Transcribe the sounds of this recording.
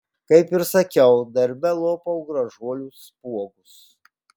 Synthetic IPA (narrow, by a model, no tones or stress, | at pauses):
kɐɪpɪɾsɐkʲɛʊd̪ɐɾʲbʲɛlˠoːpɐʊɡɾɐʒuɔlʲuːspuɔɡʊs